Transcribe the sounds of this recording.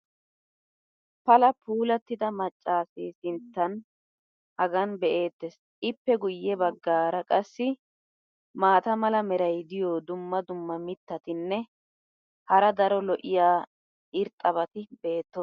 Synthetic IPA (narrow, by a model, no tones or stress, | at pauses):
pɐlɐpuːlɐt̪ːɪd̪ɐmɐt͡ʃʼːaːseːsɪnt̪ːɐn | hɐɡɐnbɛʔe̞ːt̪ːɛs | ʔɪpːɛɡʊjːɛbɐɡːaːɾɐkʼɐsːɪ | maːt̪ɐmɐlɐmɛɾɐjd̪ɪjoːd̪ʊmːɐd̪ʊmːɐmɪt̪ːɐt̪ɪnːɛ | hɐɾɐd̪ɐɾɔlɔʔɪjaː | ɪɾt̪ʼːɐβɐt̪ɪbeːt̪ːɔs